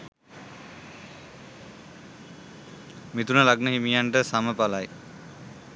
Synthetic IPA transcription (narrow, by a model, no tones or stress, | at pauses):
mit̪unəlaɡnəɦimijaɳʈəsaməpalaj